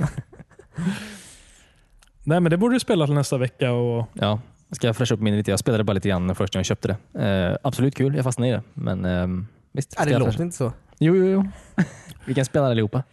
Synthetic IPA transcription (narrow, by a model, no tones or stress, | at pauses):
nɛːmɛnd̪ɛbuːɖədəspeːlat̪ɪlnɛst̪avɛkːaɔjɑː | skajafɾɛʂaɵpːmɪnʊɾɪt̪ʰeːjɑspeːlad̪əbɑɾliːt̪əɡɾanːɛnfœʂʈjaɕœːp̚t̪əd̪ɛabsɔlʉːt̪kʰʉːljɑːhfasnad̪ɪd̪ɛ̰mʔɛ̰n | vɪst̪sajoːɪnt̪əsɔ | juːjuːjuː | vɪkanspeːladalɪhuːpːa